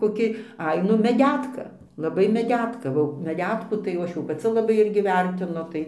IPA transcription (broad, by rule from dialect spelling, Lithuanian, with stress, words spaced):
koːˈkʲɪ ˈɐɪ ˈnʊ mʲɛˈdʲætkɐ lˠɐˈbɐɪ mʲɛˈdʲæːtkɐ oː mʲɛˈdʲæːtkuː tɐɪ jɛʊ ˈɐʃ jɛʊ pɐˈt͡sʲɪ lˠɐˈbɐɪ ˈɪrʲɡʲɪ ˈʋʲɛrʲtʲɪnʊ ˈtɐɪ